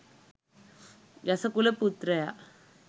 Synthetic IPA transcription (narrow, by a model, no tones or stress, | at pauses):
jɐsɐkulɐput̪ɾɐja